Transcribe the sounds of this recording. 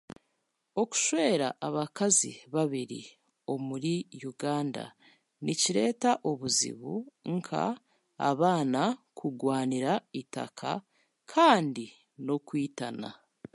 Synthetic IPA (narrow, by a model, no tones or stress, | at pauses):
o̞ku̥ʃwe̞ːɾa̰ʔːβakazḭβaβiɾḭ | o̞muɾijuɡaːnda̰ | nʔiciɾe̞ːtaʔoβuzḭβuŋkʰa̰ː | βaːnakʰuɡwaːniɾaita̰kʰa̰ | kʰaːndi | no̞kwiːtana̰